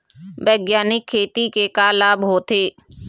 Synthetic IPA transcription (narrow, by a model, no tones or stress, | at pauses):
bɛːɡjaːnɪkʰːeːt̪ikekaːlaːbɦoːt̪eː